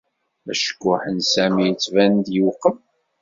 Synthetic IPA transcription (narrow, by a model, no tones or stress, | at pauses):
æʃə̥kːʊħənsæmijət͡sːvænd̪juqːəm